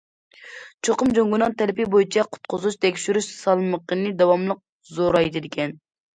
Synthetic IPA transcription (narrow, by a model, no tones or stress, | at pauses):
t͡ʃʰoqʊmd͡ʒoŋɡunɑŋt̪ʰɛlɪpɪbojit͡ʃʰɛqʰʊ̥t̪̚qʰʊzut͡ʃt̪ʰɛkʲʃyɾyʃsɑlˠməqənɨd̪ɑwɑmlˠəq̚ | zoɾɑjd̪ɪd̪ɪkʲʰɛn